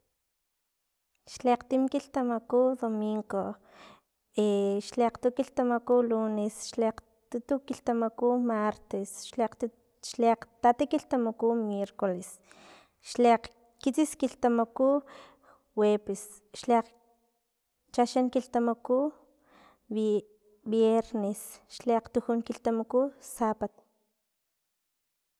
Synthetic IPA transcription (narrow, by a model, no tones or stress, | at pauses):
ʃleqt̪imkilt̪amakuːd̪omiŋɡo | eʃleqt̪ukiɬt̪amakuluːnesʃleq | t̪ut̪ukilt̪amakumaɾt̪esʃleq̪ | ʃleq͡χt̪at̪ekilt̪amakumjeɾkoles | ʃleq͡χ | kit͡siskiɬt̪amokuː | weːpes | ʃleq͡χ | t͡ʃaʃaŋkilt̪amoku | b | bjeɾnesʃleqt̪uxuŋkilt̪amakusapat̪